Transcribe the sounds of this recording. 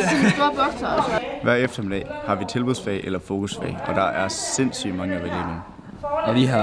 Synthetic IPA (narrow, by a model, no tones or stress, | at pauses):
b̥ɔɡ̥sɐʋæɐ̰efd̥ɐme̝d̥ɛ̰ːhɑ̈ʋit͡sʰe̝lb̥uðˠsfɛ̰ɪʔelɐfo̝ːkʰusfɛ̰ɪʔɒ̽d̥ɑ̈ʔæɐse̝n̰sy̰ːd̥mɑ̈ŋəɐʋel̥ḛ̥en | ɒʋiɦɑ